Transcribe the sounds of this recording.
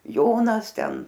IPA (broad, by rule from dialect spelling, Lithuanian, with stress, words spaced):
ˈjoːnɐs ˈtʲɛn